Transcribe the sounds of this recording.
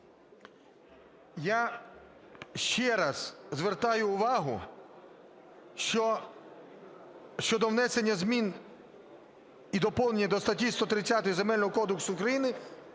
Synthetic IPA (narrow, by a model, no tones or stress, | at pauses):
ja | ʃt͡ʃɛɾɐzzʋert̪ɑjʊːʋɑɦʊ̰ | ɔ | ʃt͡ʃɔd̪ɔwnɛse̞nʲːɐzmʲin | id̪ɔpɔlnenʲːɐd̪ɔst̪ɐtʲist̪ɔt̪ɾɪt͡sʲːat̪ɔjizemɛlʲnɔɦɔkɔd̪ʊksʊːkɾɐjinɪ